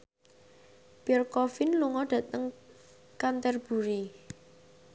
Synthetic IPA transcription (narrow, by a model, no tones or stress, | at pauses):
b̥ɛrkɔfɪnluŋɔɖ̥ä̤t̪əŋ | kant̪ɛrb̥ṳɾi